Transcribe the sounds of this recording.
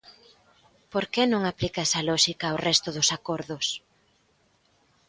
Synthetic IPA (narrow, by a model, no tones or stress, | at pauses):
poɾkenõŋaplikaɛsɐlɔʃikɐwrɛst̪ʊðʊsakoɾðʊs